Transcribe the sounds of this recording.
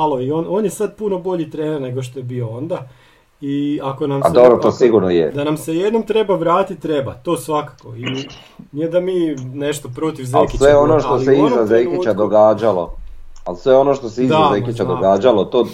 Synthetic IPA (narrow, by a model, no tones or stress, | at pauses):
aloio̞ːno̞ːnjesad̪̚puno̞bo̞ʎit̪ɾeːneɾne̞ɡoʃt̪oje̞bio̞o̞nd̪a | iako̞nama̰d̪obɾot̪oːsiɡuɾnojḛd̪anamsejed̪no̞mt̪ɾe̞baʋɾaːt̪it̪ːɾe̞bat̪o̞ːsʋakḁko̞i | nied̪amiːneʃt̪o̞pɾo̞t̪iʋza̰lkisʋeonoʃt̪oseizazejkit͡ɕad̪oɡaːd͡ʑalˠo̞alsʋeo̞noʃt̪o̞seizaazejkit͡ɕad̪oɡaːd͡ʒalot̪oː